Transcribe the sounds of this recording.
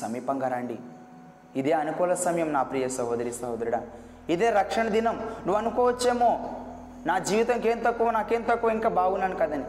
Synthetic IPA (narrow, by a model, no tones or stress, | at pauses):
sɐmiːpɐŋɡɐɾaːɳɖḭ | id̪eːɐnukɔːlɐsɐmɐjɐmnaːpɾijɐsɐɦod̪ɐɾist̪aːɦoːd̪ɐɾuɽaː | id̪eːɾɐkʂɐɳɐd̪inɐmnuʋɐnukɔːʋɐt͡ʃːeːmoː | naːd͡ʒiːʋit̪ɐŋkeːnt̪ɐkːuʋɐnaːkeːnt̪ɐkːuʋɐiŋkaːbaːɡunɐnkɐd̪ɐni